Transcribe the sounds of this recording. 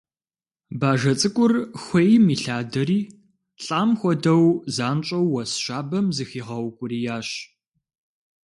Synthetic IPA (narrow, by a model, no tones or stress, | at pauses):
baːʒɐt͡sʼɨkʷʼʊrxʷejmiːɬaːdɐɾiː | ɬʼaːmxʷɔdɐwzaːnt͡ʃʼɐwːɐsʃaːbɐmzɨxiːʁɐwkʷʼʊɾiːjaːɕ